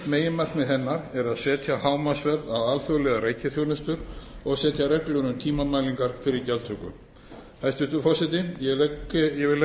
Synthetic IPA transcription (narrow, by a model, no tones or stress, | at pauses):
meːjɪmat̪mɪðɦɛnːaɾɛɾaðsɛːt̪jahaːwmasvɛɾðaðaːlθœɣlɛɣaɾreːjcɪθjownʏst̪ʏɾɔɣsɛːt̪jaɾɛklœnʏmt̪ʰiːmamaːjliŋkaɾ̥fɪɾɪɾt̪jalt̪ʰɾʏkːʏ̰ | hajst̪ɪst̪ʏfɔsɛt̪̬ɪjɛjɛvɪ